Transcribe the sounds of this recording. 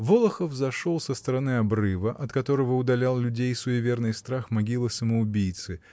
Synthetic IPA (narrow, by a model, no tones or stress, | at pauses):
volˠəxəfzɐʂo̞lˠsəst̪əɾɐnɨɐbrɨvəʔɐt̪kɐt̪o̞ɾəvəʊd̪ɐlʲalˠlʲʉdʲejsʊjɪvʲe̞rnɨjst̪ɾaxmɐɡʲilˠɨsəməʊbʲijt̪sɨ